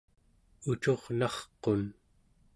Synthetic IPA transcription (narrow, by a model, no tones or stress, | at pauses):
ut͡ʃo̞ʁnɑχqo̞n